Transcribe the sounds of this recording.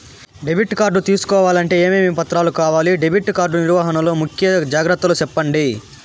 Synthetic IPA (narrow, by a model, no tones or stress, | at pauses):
ɖebʱiʈkaːɾɖut̪iːsu̥kɔːʋaːlɐɳʈe̞ːeːmiːmiːpɐt̪ɾaːlukaːʋaːliɖebʱiʈːkaːɾɖuniɾʋaːɦɐnɐlo̞ːmukʰjɐd͡ʒaːɡɾɐt̪ːɐlut͡ʃɛpːɐɳɖi